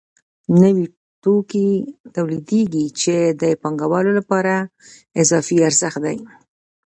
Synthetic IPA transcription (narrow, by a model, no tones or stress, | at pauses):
nəwi | ʈokit̪awlid̪eɡit͡ʃed̪əpɑŋɡawɑlolapɑɾa | ɪzɑfiaɾzəxt̪̚d̪aj